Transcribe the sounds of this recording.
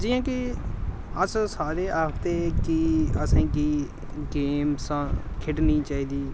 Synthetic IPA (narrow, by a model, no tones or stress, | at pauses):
d͡ʒiːãːki | əssaːɾeːʔaːkt̪ekiəsẽːkiː | ɡeːmsãkʰɪʈniːt͡ʃaːɦiːd̪iː